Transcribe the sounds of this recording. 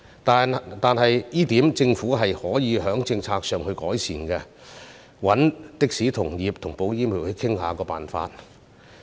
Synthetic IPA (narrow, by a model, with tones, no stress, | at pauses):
t̪ːt̪aː˨nɦɐ˨jjiː˥t̪iː˨˥mt͡sɪ˧ŋfuː˨˥ɦɐ˨jhɔː˨˥jiː˨˧ɦœː˨˥ŋt͡sɪ˧ŋt͡sʰaː˧k̚sœː˨ŋhɵ˧ɥkɔː˨˥jsiː˨˩nkɛ˧ | wɐ˨˥nt̪ɪ˥k̚siː˨˥t̪ʰʊ˨˩ŋjiː˨p̚t̪ʰʊ˨˩ŋpo˨˧wjiː˥miː˨˩whɵ˧ɥkʰɪ˥ŋhaː˨˧kɔː˧pa̰ː˨˩nfa̰ː˧t̚